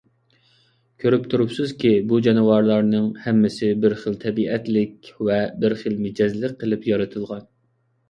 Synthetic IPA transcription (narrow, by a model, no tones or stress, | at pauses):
kʲʰøɾypt̪ʰuɾupsɨz̥kʲibud͡ʒɑnɨwɑɾlˠɑɾnɨŋhɛmːɪsɪbɪɾχəlt̪ʰɛbiɛt̪lɪkʲvɛbɪɾχəlmɪd͡ʒɛzlɪqqːəlˠɪpjɑɾɨt̪ʰɨlˠʁɑn